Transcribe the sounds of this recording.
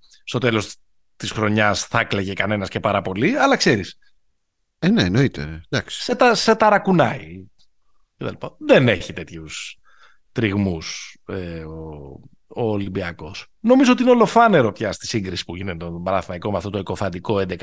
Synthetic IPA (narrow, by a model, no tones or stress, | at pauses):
st̪o̞t̪e̞lo̞s | t̪isxɾo̞ɲɐsθɐekleʝe̞kɐne̞nɐsce̞pɐɾɐpo̞liɐlɐkse̞ɾis | eneno̞it̪ḛd̪ɐksi̥set̪ɐse̞t̪ɐɾɐkunɐi | cet̪ɐ̰lipɐðene̞çit̪e̞t̪çus | t̪ɾiɣmuseo | oːlimbiɐko̞s | no̞mizoot̪iineo̞lo̞fɐne̞ɾo̞pçɐst̪i̥siŋɡɾisi̥puʝinet̪eobɐɾɐθimɐikomeɐft̪o̞t̪oeko̞fɐnd̪iko̞end̪ekɐ